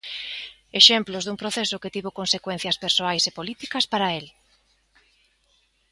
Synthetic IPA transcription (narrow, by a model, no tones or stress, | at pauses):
eʃemplʊzðuŋpɾoθesʊket̪iβokonsekwen̟θjɐspeɾsoajsepolit̪ikɐspaɾael